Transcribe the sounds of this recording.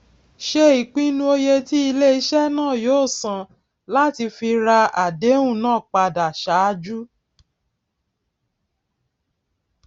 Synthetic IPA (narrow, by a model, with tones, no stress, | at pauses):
ʃe˧i˨k͡pĩ˦nũ˦o˧je˧ti˦i˧le˦i˧˦ʃɛ˦nãː˦˨joː˦˨sã˧˨ | la˦ti˧fi˧ɾa˧a˨de˨˦wũ˦˨nãː˦˨k͡pa˧da˨ʃa˨˦˧d͡ʒu˦